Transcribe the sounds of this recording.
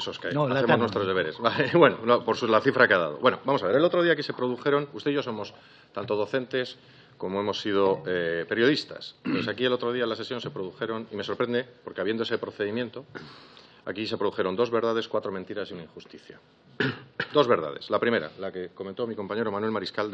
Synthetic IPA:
esoskeajaθeoznwet̪ɾo̞zðeeɾesalebwe̞nonopoɾsulaθifɾakeaða̰ðo̞̰βwe̞no̰bamo̞saβeɾe̞lot̪ɾoðiakise̞pɾoðuxe̞ɾo̞nust̪e̞ʝos̬o̞mo̞s | t̪ant̪o̞ð̞o̞θe̞nt̪e̞s | ko̞moe̞mo̞sːið̞o̞epe̞ɾjo̞ð̞ist̪a̰sesakie̞lo̞t̪ɾo̞ðialase̞sjo̞nse̞pɾoðuxe̞ɾo̞nime̞so̞ɾpɾe̞nd̪epo̞ɾkeaβjend̪oese̞pɾo̞θe̞ðimjẽ̞nt̪o̞ | a̰kise̞pɾoðuxe̞ɾo̞nd̪o̞zβe̞ɾðað̞e̞skwat̪ɾo̞mẽnt̪iɾasiunaĩŋxust̪iθja̰ | d̪o̞zβe̞ɾð̞a̰ð̞e̞̥̰slapɾime̞ɾa̰lake̞koment̪omiko̞mpaɲe̞ɾo̞manwe̞lmaɾiskal

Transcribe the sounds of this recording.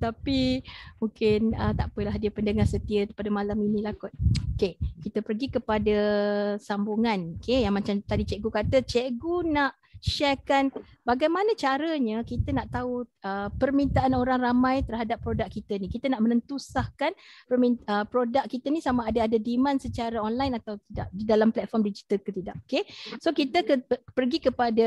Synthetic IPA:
t̪apimuŋkɪnət̪a̰ʔpəlahdiəpəndəŋahsət̪iəpadəmalaminĩlakʊt̪̚okekit̪əpərɡikəpadəsambuŋanokejaŋmat͡ʃamt̪adit͡ʃɛʔɡukat̪ət͡ʃeʔɡunaʔ | ʃɛkanbaɡajmanət͡ʃaɾəɲəkit̪ənaʔt̪auʔəpərmint̪aʔanoɾaŋramãjt̪ərɦadapːɾodakkːit̪ənikit̪ənaʔmənənt̪usahkanpərminəpɾodak̚kːit̪ənisamaːdaːdadimãnsət͡ʃaɾaɔnlajnat̪awt̪ida̰ʔ̚didalamplɛt̪̚fɔmdid͡ʒit̪əlkət̪idaʔokesokit̪əkəpərɡikəpada

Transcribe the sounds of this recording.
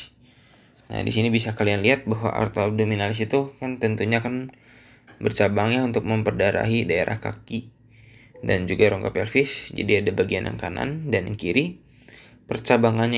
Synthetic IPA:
na̰dḭsinibisakalianliɦat̪̚baɦwa̰ʔa̰rt̪adominalɪs̬it̪ukant̪ənt̪uɲaːkan | bərt͡ʃabaŋjaunt̪ʊk̚məmpərdaɾa̰ɦidaeɾa̰hka̰ki | dand͡ʒuɡaɾoŋkapɛlfɪsd͡ʒa̰diadabaɡiana̰ŋkana̰ndanəŋkiɾi | pərt͡ʃabaŋanɲ

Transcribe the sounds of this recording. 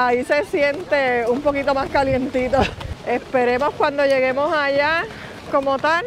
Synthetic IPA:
aise̞sje̞nt̪e̞umpo̞kit̪o̞maskalje̞nt̪it̪o̞e̞spe̞ɾe̞mo̞skwand̪o̞ʝe̞ɣe̞mo̞saʝa | ko̞mo̞t̪an

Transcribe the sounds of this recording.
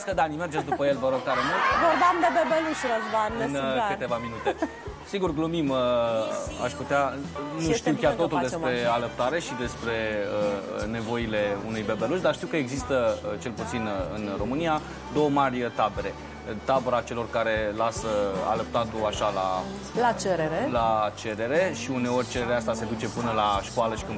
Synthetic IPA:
skəd̪anime̞rd͡ʒesd̪upəjelvəɾo̞ɡ̚t̪aɾemult̪vorb̪amb̪ebebeluʃɾəzbanɨnkɨt̪e̞vaminut̪e̞ | siɡurɡlumim | a̰ʃput̪eanuʃt̪iwkkʲart̪o̞t̪uld̪espɾe̞aləp̚t̪aɾe̞ʃid̪e̞spɾe̞əne̞vo̞ile̞unujbebeluʒd̪aʃt̪iwkəeɡzist̪ət͡ʃe̞lput̪sinɨ̰nro̞mɨnija | d̪o̞wəmarʲət̪abeɾe̞ | t̪abəɾat͡ʃe̞lo̞rkaɾe̞lasəa̰ləp̚t̪at̪uaʃala | lat͡ʃeɾeɾelat͡ʃe̞ɾe̞ɾe̞ʃiune̞o̞rʲt͡ʃe̞ɾeɾeast̪ase̞d̪ut͡ʃe̞pɨnəlaʃkoaləʃi̥kɨn

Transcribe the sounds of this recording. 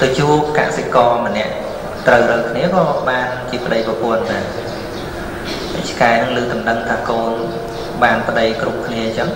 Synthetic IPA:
t̪ət͡ɕuːəp̚ka̰sekɑːmə̆nɛ̆əʔ | t̪rəwrəːkʰniəkɑːɓaːnt͡ɕiəpə̆ɗəjprɑpʊ̆ənɗaɛ | hə̰c̚t͡ɕʰkaɛnɨŋlɨːt̪umnɨŋt̪ʰaːkoːn | ɓaːnpə̆ɗəjkrup̚kʰniət͡ɕəŋ

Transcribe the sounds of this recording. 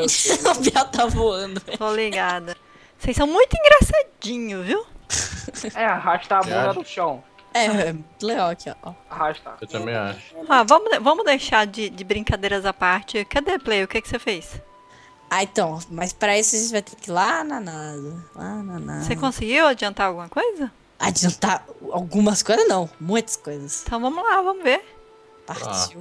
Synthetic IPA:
piat̪avoɐ̃d̪ʊt̪oliɡad̪ɐ | sejsɐ̃w̃mũj̃t̪ʊĩŋɡɾasad͡ʒĩɲʊzviw | ɛaɦaʃt̪abõɡ̪ɐd̪ʊʃɐ̃w̃ | ɛɛmũt̪leɡawkɪɔ̰ɔaɦaʃt̪a̰ewt̪ɐ̃mbẽj̃a̰ʃʊ̥avɐ̃mʊvɐ̃mʊd̪ejʃaɾd͡ʒɪd͡ʒɪbɾĩŋkad̪ejɾɐzapaɾt͡ʃɪʊkɛd̪eplejʊkekɪ̥sefejs | aẽt̪ɐ̃w̃mɐjspɾɐisʊaʒẽt͡ʃɪvajt̪ekɪlananad̪ɐlanana̰sekõsɪɡiwad͡ʒiɐ̃nt̪aɾawɡũmɐkojzɐ | ad͡ʒiɐ̃nt̪aɾawɡũmɐskojzɐznɐ̃w̃mũj̃t̪ɐ̥skojzɐst̪ɐ̃w̃vɐ̃mʊlavɐ̃mʊveɾ | paɾt͡ʃi

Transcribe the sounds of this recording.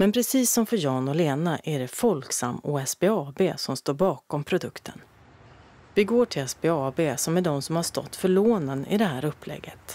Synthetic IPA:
mɛnpʰɾɛsiːsːɔmfœɾjɑːnɔleːnaʔæɖɛfɔlksa̰mːuɛsbeːɑːbeːsɔmst̪oːɾbɑːkɔmpʰɾʊd̪ɵkt̪ʰə̰n | vɪɡoːʈʰɪlɛsbeɑːbeːsɔmæɖɔmsɔmhaʂt̪ɔ̰t̪ːfœɭoːnənɪ̰d̪ɛɦæːɾɵpːlɛ̰ɡːət̪

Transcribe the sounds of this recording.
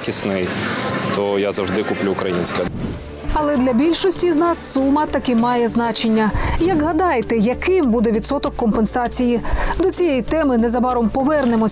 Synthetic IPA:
kʲisnɪjt̪ɔjazɐwʒd̪ɪkʊplʲuːkɾɐjinʲsʲkɛ | ɐlˠɛd̪lʲɐbʲilʲʃɔsʲtʲiznɑsːumɐt̪ɐkɪmɑjɛznɑt͡ʃenʲːɐjɐɡɦɐd̪ɑjt̪ɛjɐkɪmbud̪ɛʋʲit̪sɔt̪ɔkːɔmpensɑt͡sʲijid̪ɔt͡sʲijɛjt̪ɛmɪnɛzɐbɑɾɔmpɔʋɛrnɪmɔ

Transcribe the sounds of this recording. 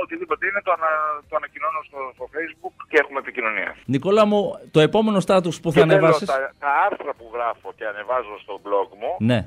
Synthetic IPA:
ot̪iðipo̞t̪eine̞t̪oɐnɐt̪oɐnɐcinonost̪ost̪ofe̞jzbukcee̞xumet̪icino̞nḭɐ̰niko̞lɐmut̪o̞e̞po̞me̞no̞st̪ɐt̪uspuθɐɐːnevɐsoisɐt̪ɐɐɾθɾɐpuɣɾɐfo̞ce̞ɐne̞vɐzost̪o̞blo̞ɡmune̞

